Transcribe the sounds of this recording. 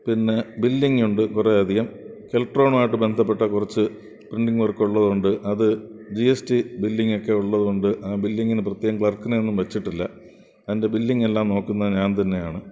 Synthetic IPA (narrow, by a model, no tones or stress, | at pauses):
pinːe̞bilːiŋːuɳɖɨkureɐd̪ʱijɐmkelʈro̞ːɳmaːjiʈːɨbe̞nd̪ʱɐpːeʈːɐkurɐt͡ɕːɨ | priɳɖiŋɡʋɐrkːuɭːɐðuɳɖɨʔɐðɨd͡ʑiestibilːiŋɡo̞kːe̞uɭːɐðuuɳɖɨʔaːbilːiŋɡinɨprɐt̪jeːɣɐmŋkɭɐrkːunɐenːumʋɐt͡ɕːiʈːilːɐ | ɐðinde̞bilːiŋɡe̞lːaːmno̞ːkːunːɐðɲaːnt̪ɐnːe̞jaːɳɨ